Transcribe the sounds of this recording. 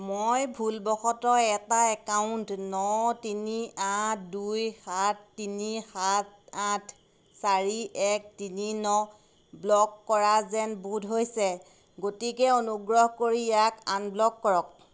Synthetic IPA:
mojbʱulbɔxɔtɔɛtaɛkawʊntnɔtiniatdujxatʰtːinixat̚atʰ | saɹiʔɛk̚tininɔ | blɔkːɔɹazɛnbudʱɦojsɛ | ɡotikɛonuɡɹɔɦkoɹijakanblɔkːɔɹɔk̚

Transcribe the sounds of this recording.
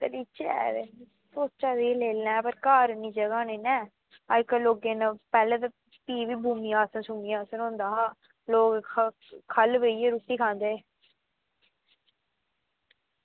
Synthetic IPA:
t̪ḛliːt͡ʃɛ̰ːɾe | soːt͡ʃaːd̪ileːlɛ̃ːpəɾkaːɾnĩːd͡ʒəɡaːneːnɛː | aɪkəloːɡeːnãpɛːlẽːt̪a | piːʋiːbʱuːmiaːsənsʊmiãːsənɦõːnd̪aːɦa | loːk | kʰəlʋeːieɾut̪ːiːkʰãːnd̪eː

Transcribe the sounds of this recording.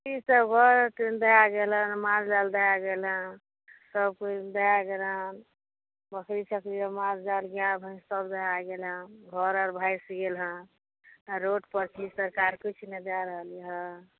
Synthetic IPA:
t͡ʃisəbɡʱəɾʈind̪əɦaɡelɦənmad͡ʒd͡ʒald̪eɦaɡelɦə̃n | səb̚kud̪ejaɡelən | bəkʰɾit͡ʃʰəkɾiɾəmad͡ʒd͡ʒalɡjabʱə̃səbd̪eɦaɡelɦə̃ɡʱɔɾɔɾbʱajsiɡelɦə̃ | ɾoʈpəɾt͡ʃʰisəɾkaɾkit͡ʃʰned̪aɾəɦəlɦə̃

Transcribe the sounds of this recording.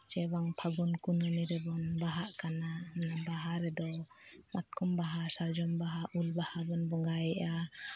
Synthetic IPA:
t͡ʃɛbaŋpʰaɡunkununiɾɛbɔnbaɦaʔkananabaɦaɾɛd̪ɔ | mat̪̚kʰɔmbaɦasaɾd͡ʒɔmbaɦaʔulbahabɔnbɔŋɡajɛʔa

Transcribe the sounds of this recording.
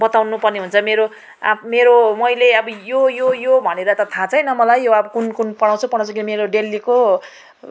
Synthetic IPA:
bʌt̪awnupʌrniɦunt͡sʰʌmeɾo | a̰meɾomʌjleʌbʌjojojobʱʌneɾʌt̪ʌt̪ʰãt͡sʰʌjnʌmʌlajːoʌbʌkunkunpʌɽ̃ãw̃t͡sʰupʌɽãw̃t͡sʰʌkinʌmeɾoɖelːiko

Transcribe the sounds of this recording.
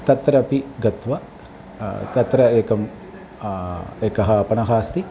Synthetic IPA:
t̪ɐt̪ɾɐpiɡɐt̪ʋɐ | t̪ɐt̪ɾɐeːkɐm | eːkɐɦɐpɐnɐɦaːst̪i

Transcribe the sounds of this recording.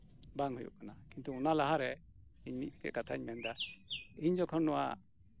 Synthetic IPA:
baŋɦujṵʔkanakint̪uɔnalaɦaɾɛ | iɲmit̪̚kɛ̰ʔkat̪ʰaɲmɛnd̪aiɲd͡ʒɔkʰɔnːɔwa̰

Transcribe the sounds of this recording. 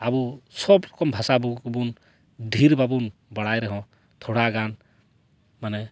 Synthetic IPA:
abusɔbɾɔkɔmbʱasabubun | dʱiɾbabunbɔɽajɾɛɦɔ̃ | t̪ʰoɽaɡan | manɛ

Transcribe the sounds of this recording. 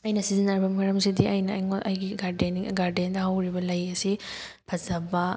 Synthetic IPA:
ɐjnɐsizinaɾibɐmɐɾɐmsidiɐjnɐ̰jŋoʔɐjɡiɡaɾdeniŋ̰ɡaɾdendɐhawɾibɐlɐjɐsi | pʰɐzɐbɐ

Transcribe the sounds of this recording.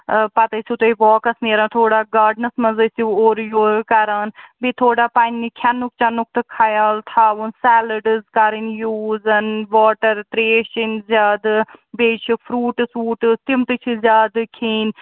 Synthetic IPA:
pɐt̪esit̪eʋɔːkɐsneːɾãːt̪ʰoːɽaːɡaːɖnəsmɐzəsioːɾjoːkɐɾaːnbit̪ʰoːɖaːpaːnːikʰanʊk̚t͡ʃaːnʊk̚t̪kʰːaːjaːlt̪ʰaːʋunsɛːləɖzkaɾɪnjuːzənʋɔːʈəɾt̪ɾeːʃɪnzʲaːd̪beːt͡ʃʰipʰɾuːʈsuːʈt̪ɪmt̪ɨt͡ʃʰizʲaːd̪kʰiːn

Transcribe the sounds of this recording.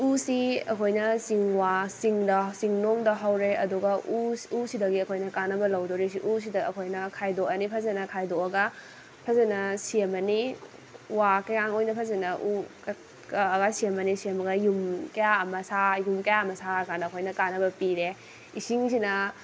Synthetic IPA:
usiɐkʰojnɐsiŋwasiŋdɐsiŋnoŋdɐɦawɾeɐ̰duɡɐʔuusidɐɡiɐkʰojnɐkanːɐbɐlawdoɾis̬iʔus̬idɐɐkʰojnɐkʰajdoɐnipʰɐzɐnɐkʰajdoɐɡɐ | pʰɐzɐnɐsiemɐni | wakɐjaŋojnɐpʰɐzɐnɐʔuk | kɐɐɡasiɐmɐnisiemɐɡɐjumkɐjaɐmɐsajumkɐjaɐmɐsakanɐɐkʰojnɐkanɐbɐpiɾe | isiŋsinɐ

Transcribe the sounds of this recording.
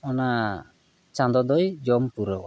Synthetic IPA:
ɔna | t͡ʃand̪ɔd̪ɔjd͡ʒɔmpuɾɔw̰

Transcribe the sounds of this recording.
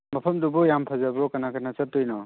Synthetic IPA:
mɐpʰɐmdubɔjampʰazabɔkanakʰanasɐtːɔjnɔ

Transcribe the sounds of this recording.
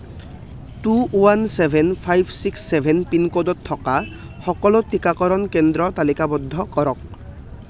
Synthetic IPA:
tuwansebʱenpʰajbsiksːebʱenpinkod̪ɔt̪ʰːɔka | xɔkɔlot̪ikakɔɾɔnkend̪ɾɔt̪alikabɔd̪ʱːɔkɔɾɔk̚

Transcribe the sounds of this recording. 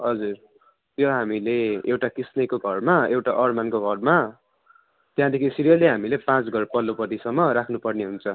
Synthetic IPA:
ɦʌd͡zur | t̪jʌɦamileewʈakisnʌjkoɡʱʌrmaewʈaʔʌrmankoɡʱʌrma | t̪jãd̪ekʰisiɾijʌlːeɦamilepãt͡sɡʱʌrpʌlːopʌt̪isʌmːʌɾakʰnupʌrneɦunt͡sʰʌ

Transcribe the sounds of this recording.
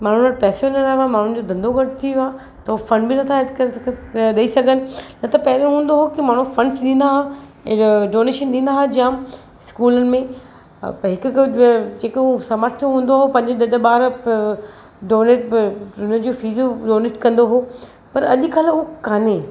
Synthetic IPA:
maːɳ̤unɐʈ̚pɛːsijonɐɾaʋamaːɳ̤ʊ̃n̆d͡ʑoːd̪ɐ̃nd̪oɡɐʈt̪ʰioaː | t̪ɐɦufɐ̃nɖbinɐt̪ʰaɛd̪kɐɾɗɐisɐɡʱənɪ̆nɐt̪ɐpɐɦɪɾeɦũːn̆d̪oɦokimaːɳ̤ũfɐ̃nsɗĩːn̆d̪aɦã | ɖoːneːʃənɗĩːnd̪aɦad͡ʑijãm | skuːlənɪ̆mẽ | ɦɪkʊd͡ʑeːkːsɐməɾt̪ʰjũɦũːnd̪oɦopɐ̃ɦɪ̃ɲd͡ʑɪɗɐɗɓaːɾ | ɖoːneːʈond͡ʑoːfiːzoɖoːneːʈkɐ̃nd̪oɦoː | pɐɾɐʄʊ̆kɐlʊokaːneː

